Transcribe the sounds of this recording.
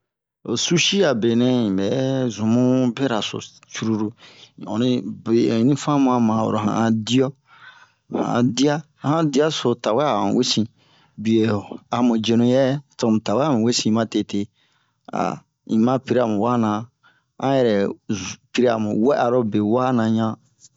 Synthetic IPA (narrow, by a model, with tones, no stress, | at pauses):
o˨su˦ʃi˦a˨be˨nɛ̃˦ĩ˨bɛ˨zũ˨mũ˦be˦ɾa˨so̰˨ | t͡ʃu˦ɾu˦ɾu˨ɔ̰˨nĩ˨be˨nĩ˦fã˦mũ˦a˧mã˨wo̰˨ɾo˨ã̰˨ã˧di˦ɔ˦ | hã̰˨di˦a˦hã˦di˦a˦so˨ta˨wɛ˦ã̰˨we˦sĩ˨ | bi˨e˨a˨mũ˨d͡ʒe˨nũ˨jɛ˦to˨m̃˨ta˨wɛ˦a˨mũ˨we˦sĩ˦mã˦te˨te˦ | a̰˨ | ĩ˨mã˦pi˦ɾa˨mũ˨wa˦nã˨ | ã˦jɛ˨ɾɛ˨pi˦ɾi˦a̰˨mũ˨wɛ˦ʔa˨ɾo˦be˨wa˦nã˨ɲã˦